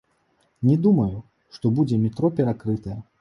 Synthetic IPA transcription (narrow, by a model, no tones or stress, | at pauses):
nʲɛd̪umɐju | ʂt̪ɔbud͡zʲɛmʲɛt̪ɾɔpʲɛɾakɾɨt̪ɐjɛ